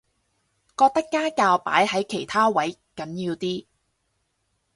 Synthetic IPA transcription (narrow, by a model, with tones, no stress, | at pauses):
kɔː˧k̚t̪ɐ˥kːaː˥kaː˧wpa̰ː˨˥jhɐ˨˥jkʰe˨˩jt̪ʰaː˥wɐ˨˥jkɐ˨˥njiː˧wt̪iː˥